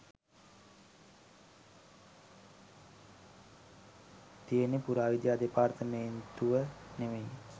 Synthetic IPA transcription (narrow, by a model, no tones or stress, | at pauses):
t̪ijənepuɾaːʋid̪jaːd̪epaːrt̪ʰənent̪uʋəneʋej